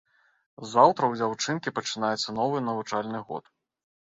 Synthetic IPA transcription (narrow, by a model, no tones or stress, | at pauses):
zawt̪ɾɐwd͡zʲawt͡ʂɨnkʲipɐt͡ʂɨnajɛt̪sːɐnɔvɨnɐvut͡ʂalʲnɨɣɔ̰t̪